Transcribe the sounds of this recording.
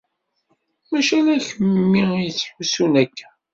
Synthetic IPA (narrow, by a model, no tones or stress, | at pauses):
mæʃælæçəmːijət͡sːħusunækʰː